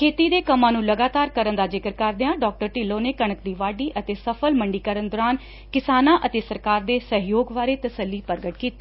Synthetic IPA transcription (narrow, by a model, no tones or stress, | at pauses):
kʰeːt̪iːd̪eːkəmãːnũːləɡaːt̪aːɾkəɾənd̪aːd͡ʒɪkəɾkəɾd̪eːãːɖɔːk̚ʈəɾʈiloːneːkəɳ̃ək̚d̪iːʋaːɖiːʔət̪eːsəpʰəlməɳɖiːkəɾənd̪ɔːɾaːn | kɪsaːnãːʔət̪eːsəɾkaːɾd̪eːsəɦjoːɡʋaːɾeːt̪əsəlːiːpəɾɡəʈkiːt̪e̥ː